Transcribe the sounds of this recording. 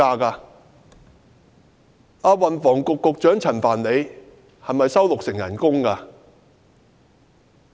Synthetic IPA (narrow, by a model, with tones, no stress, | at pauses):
aː˧kaː˧ | aː˧wɐ˨nfɔː˨˩ŋkʊ˨kːʊ˨k̚t͡ʃœː˨˥ŋt͡sʰɐ˨˩nfaː˨˩nle˨˧j | hɐ˨jmɐ˨jsɐ˥wlʊ˨k̚sɪ˨˩ŋjɐ̰˨˩nkʊ˥ŋkaː˧